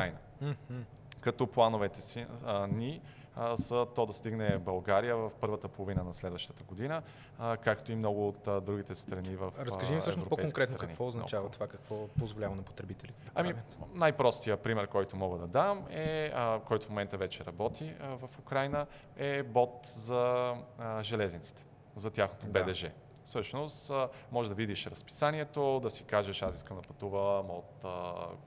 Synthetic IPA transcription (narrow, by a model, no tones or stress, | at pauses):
ajnə | kɐt̪ɔplˠanovɛt̪ɛsini | sət̪ɔd̪ɐst̪iɡnɛbɐlˠɡaɾijəvəfpɤɾvət̪əpolˠovinənɐslɛd̪vəʃt̪ə̥t̪əɡod̪inə | kakt̪oimnɔɡʊːt̪d̪ɾuɡʲit̪ɛst̪ɾɐnivəfɾəskɐʒimsəʃɛnosvɾopoɛsõŋkɾɛt̪nkɾɐnikvɔʊznɐt͡ʃavət̪ovakɐkvɔpozvolʲavɐnɐpo̥t̪ɾɛbit̪ɛlit̪ɛɐ̰minajpɾɔst̪ijəpɾimɛɾkɔjt̪omɔɡəd̪ɐd̪amɛkɔjt̪ʊ̥fmomɛnt̪əvɛt͡ʃɛɾɐbɔt̪ʰivɐfʊkɾajnə | ɛbɔt̪zɐ | ʒɛlɛznit̪si̥t̪ɛ̥ | zɐt̪ʲjaxnot̪obɛd̪ɛʒɛ | fsɤʃnost̪mɔʒɛd̪ɐvid̪iʃɾɐspi̥saniɛt̪od̪ɐsikaʒəʃasiskəmd̪ɐpɐt̪uvəmot̪ə̰